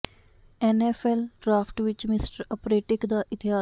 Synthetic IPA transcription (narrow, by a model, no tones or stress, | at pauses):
ɛnɛːfʰɛlɖɾaːpʰʈʋɪt͡ʃmɪsʈəɾəpɾeːʈɪkd̪aːʔɪt̪ɪɦaː